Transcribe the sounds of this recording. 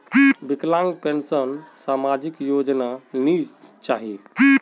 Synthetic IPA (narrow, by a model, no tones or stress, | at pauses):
bɪklãːŋɡpensənsaːmad͡ʒikjoːd͡ʒnani | t͡ʃaːɦie